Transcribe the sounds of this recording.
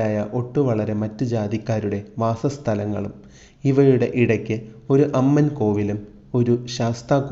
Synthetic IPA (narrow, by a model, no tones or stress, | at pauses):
aːjɐʔo̞ʈːuʋɐɭɐɾe̞mɐtːud͡ʑaːd̪ikʲːaːɾuɽe̞ʋaːsɐst̪ʰɐlɐŋːɐ̰ɭum | iʋɐjuɽe̞̰ʔiɽɐkʲːɨ | o̞ɾuʔɐmːɐnko̞ːʋilum | o̞ɾuɕaːst̪aːkː